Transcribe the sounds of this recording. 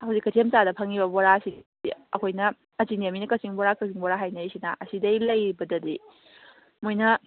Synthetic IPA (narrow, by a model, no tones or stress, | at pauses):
hɐwzikːɐtʰiemsadɐpʰɐŋibɐboɾaɐsi | iɐ̰kʰojnɐ | ɐzinieminɐkɐsiŋboɾakɐsiŋboɾaɦajnɐisinɐʔɐsidɐjlɐjibɐdɐdi | mojnɐ